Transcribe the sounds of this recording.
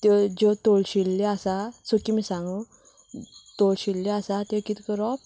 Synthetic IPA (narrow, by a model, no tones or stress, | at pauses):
t̪ed͡ʑɔt̪oɭɕilːeasasəkimisãŋɡo | t̪olɕilːeasat̪ekit̪ʰi̥kəɾɔp